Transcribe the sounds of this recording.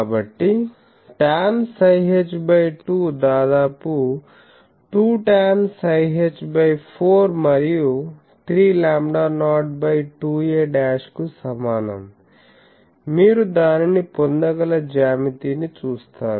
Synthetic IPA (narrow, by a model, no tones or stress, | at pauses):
kabɐʈːi | ʈaːnsɐjɦed͡ʒbɐjʈuːd̪aːd̪aːpu | ʈuːʈaːnsɐjɦed͡ʒbɐjpʰoːɾmɐɾiju | t̪ʰɾiːlaːmɖaːnaːʈ̚bɐjʈuːeːɖaːʃkusɐmaːnɐ̰m | miːɾud̪aːninipond̪ɐɡɐlɐd͡ʒaːmit̪iːnit͡ʃuːst̪aːɾu